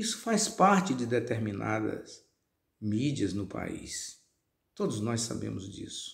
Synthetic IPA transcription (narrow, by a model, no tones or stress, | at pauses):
isʊ̥fajspaɾt͡ʃɪd͡ʒɪd̪et̪eɾmina̰d̪ɐ̰s | mid͡ʒiɐznʊpa̰ḭs | t̪od̪ʊznɔjsːa̰bḛ̃mʊzd͡ʒḭsʊ̥